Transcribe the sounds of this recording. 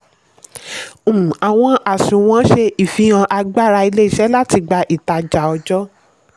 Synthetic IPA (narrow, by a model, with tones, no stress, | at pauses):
a˨w̃ɔ̃˧ʔa˨sũ˨w̃ɔ̃˨˦ʃe˧ʔi˨fĩ˧˦ã˧ʔa˧ɡ͡ba˦˨ɾa˧i˧le˦i˦˨ʃɛ˨˦la˦ti˧ɡ͡ba˧ʔi˨ta˧d͡ʒa˨ɔ˧d͡ʒɔ˦